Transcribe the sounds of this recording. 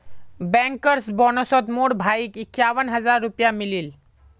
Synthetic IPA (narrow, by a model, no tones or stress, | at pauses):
bɛ̃ŋkəɾsbɔnɔsɔt̪moɽbʱaikɪkːjaʋənɦəzaɾːupjamilil